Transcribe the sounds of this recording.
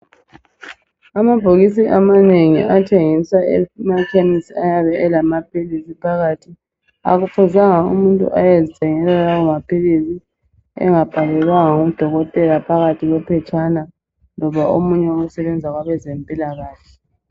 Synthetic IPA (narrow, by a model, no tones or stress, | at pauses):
amab̥ʱoɣis̬iʔamaneŋḭatʰeŋisaɛ̰makʰenisiajaβɛɛlamapʰilisipʰaɣaːtʰi | a̰ɣufʰuzaŋaṵmuntʼṵʔajezitʰʼɛŋɛlɛlawɔmapʰilisi | ɛ̰ŋab̥ʱalɛlwaŋaŋoud̥ʱɔɣɔtʼɛlapʰaɣatʰiɣwɛpʰɛt͡ʃʼana | nɔβaʔomuɲɛousɛβɛnd͡zʱaɣwaβɛzempʼilaɣaːɬʰɛ